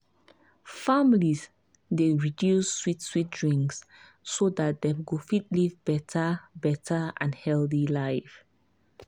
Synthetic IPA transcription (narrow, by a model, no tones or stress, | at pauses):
familiz | deɹidjusːwitswit̚dɹĩŋksː | odat̚d̪ɛ̃mɡofitlivbɛtʰəbɛtʰəã̰nhɛlθilaɪf